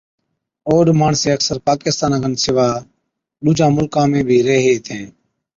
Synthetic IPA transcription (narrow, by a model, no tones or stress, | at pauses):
oːɗmaːɳseːəksəɾpaːkɪst̪aːnãːɡʱənsɪʋaː | ɗuːd͡ʒʱãːmʊlkãːmẽːbʱiːɾeːɦeːt̪ʰẽː